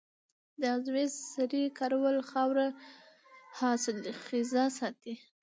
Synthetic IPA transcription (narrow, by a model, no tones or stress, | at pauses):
d̪azwezsaɾikaɾwalxɑwɾa | hɑsɪlxizasɑt̪i